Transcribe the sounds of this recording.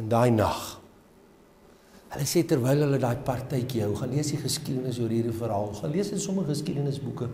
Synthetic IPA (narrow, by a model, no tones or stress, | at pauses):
əndɑːjnɐχ | ɦələseːtərvɛjlˠɦələdɑːjpɐrtəjkiɦœwχɐnliəsdiχəskidənəsjuːɾɦiːrifəɾɦɑːlˠχɐnliəsəsɔməχəskidənəsbukə